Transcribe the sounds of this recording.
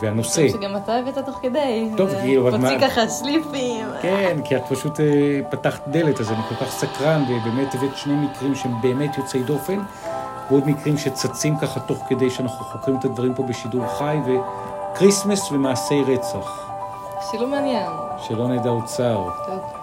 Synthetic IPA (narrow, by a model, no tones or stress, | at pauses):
veano̞seɡamat̪aevet̪at̪oχked̪ejt̪ovkiovamakaχaslifimkenkiatpaʃutepataχt̪d̪eletazaniko̞lkaχsakʁanvebe̞ːmetevetʃnejmikʁimʃeembe̞ːme̞tjot͡sejdo̞fe̞n | veo̞d̪mikʁimʃe̞t͡sat͡simkaχat̪o̞χke̞d̪ejʃeanaχuχo̞kʁimet̪ad̪vaʁimpo̞beʃiduʁχajve̞ | kʁismesvemaːse̞jʁet͡saχ | ʃelomeanjenʃelo̞neːd̪aut͡saʁ